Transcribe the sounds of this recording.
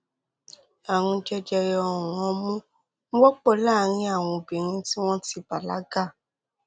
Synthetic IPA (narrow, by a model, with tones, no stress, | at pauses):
ã˨ũ˧d͡ʒɛ˧d͡ʒɛ˧jɔ˧ɔ˨wɔ̃˨˧mũ˦ | ũ˦wɔ˦k͡pɔ˦˨˦laː˦˨˦ɾ̃ĩ˧˦a˦˨w̃ɔ̃˧˨bi˨ɾ̃ĩ˧ti˦w̃ɔ̃˦ti˧ba˨la˨˦ɡa˦˨